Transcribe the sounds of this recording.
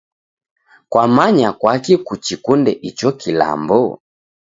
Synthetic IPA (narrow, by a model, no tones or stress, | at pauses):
kwamaɲakwakikut͡ʃikundɛʔit͡ʃɔkila̰mbɔ